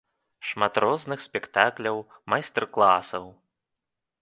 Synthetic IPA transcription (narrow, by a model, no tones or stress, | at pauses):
ʂmat̪ɾʔɔznɨxsʲpʲɛkt̪aklʲɐwmajst̪ɛrklˠasɐw